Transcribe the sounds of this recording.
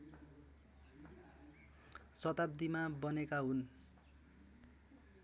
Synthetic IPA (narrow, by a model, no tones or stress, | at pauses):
sʌt̪ab̚d̪imabʌnekaɦun